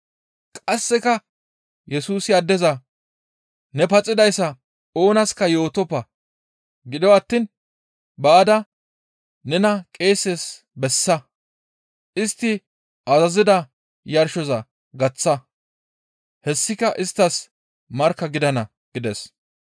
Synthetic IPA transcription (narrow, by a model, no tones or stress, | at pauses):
kʼɐsːɪkɐ | jɛsuːsɪɐd̪ːɛzɐ | nɛpɐt͡sʼːɪd̪ɐjsːɐ | o̞ːnɐskɐjo̞ːt̪ɔpːɐ | ɡɪd̪ɔwɐt̪ːin | baːd̪ɐ | nɛnɐkʼe̞ːsːes | bɛsːɐ | ʔɪst̪ːɪ | ʔɐzɐzɪd̪ɐ | jɐɾʃɔzɐ | ɡɐt͡sːɐ | hɛsːɪkɐʔɪst̪ːɐs | mɐɾkːɐɡɪd̪ɐnɐ | ɡ̥ɪd̪ɛs